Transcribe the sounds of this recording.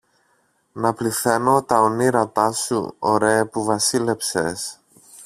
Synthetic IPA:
nɐpliθe̞no̞t̪ɐoniɾɐt̪ɐsṵoɾeːpuvɐsile̞pses

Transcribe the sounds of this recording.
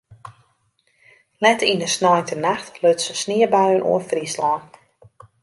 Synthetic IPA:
lɛtinəsnɔjntənaxtløtsəsnɪəbaɥənʔṵəfrislɔːn

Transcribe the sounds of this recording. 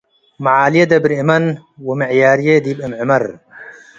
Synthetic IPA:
maʕaːlijed̪ɐbɾimɐnwɐmɪʕjaːɾjed̪ibɐmʕɪmɐɾ

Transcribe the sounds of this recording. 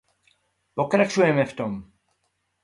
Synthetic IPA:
pokɾat͡ʃujɛmɛft̪om

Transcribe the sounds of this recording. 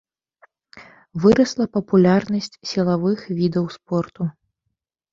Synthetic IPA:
vɨɾɐslˠɐpɐpulʲarnɐsʲt͡sʲsʲilˠavɨxvʲid̪ɐwspɔrt̪u

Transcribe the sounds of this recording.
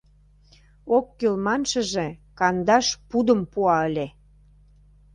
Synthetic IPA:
okːylmɑnʃə̆ʒĕkɑnd̪ɑʃpud̪ə̆mpuɑəlʲe

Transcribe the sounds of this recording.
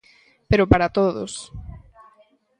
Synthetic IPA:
peɾopaɾat̪oðo̰s

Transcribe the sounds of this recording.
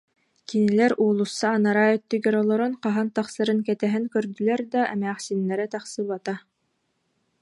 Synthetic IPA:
kinilɛɾuːlˠusːaːnaɾaœt̪ːyɡɛɾɔlˠɔɾunqɑɦant̪ɑχsɯɾɯnkɛt̪ɛɦɛŋkœɾd̪ylɛɾd̪aʔɛ̰mæːχsinːɛɾɛt̪ɑχsɯbat̪a

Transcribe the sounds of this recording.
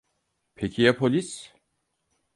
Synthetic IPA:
pʰecʰijapʰolʲis

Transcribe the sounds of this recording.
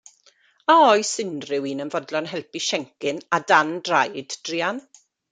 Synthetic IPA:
aɔjsɪndrɪwinənvɔdlˠɔnɦɛlˠpiʃɛŋkɪnadandrajd̥d̥riːan

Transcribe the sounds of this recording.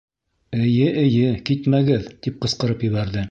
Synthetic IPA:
ɘ̆jɘʔɘ̆jɘkit̪mæɡɘðt̪ip̚qɤ̆sqɤ̆ɾɤpjɘ̆βæɾðɘ

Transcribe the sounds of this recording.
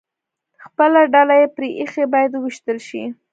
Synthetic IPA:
xpəlaɖalajepɾeʔixebɑjad̪wiʃt̪əlʃḭ

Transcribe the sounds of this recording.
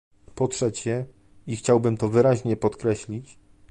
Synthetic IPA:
pɔtʂɛt͡ɕɛ | ixt͡ɕawbɘmt̪ɔvɘɾaʑɲɛpɔt̪kɾɛɕlʲit͡ɕ

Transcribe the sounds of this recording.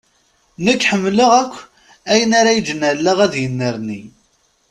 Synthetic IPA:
nəkːħəmːləʁækʷː | æjənaɾajəd͡ʒənəlːəʁæðjənːəɾni

